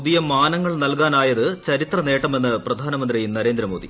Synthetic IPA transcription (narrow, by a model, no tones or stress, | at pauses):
puðijɐmaːnɐŋːɐɭnɐlkaːnaːjɐðɨt͡ɕɐɾit̪rɐne̞ːʈːɐme̞nːɨprɐd̪ʱaːnɐmɐnd̪rinɐɾe̞ːnd̪ɾɐmo̞ːd̪i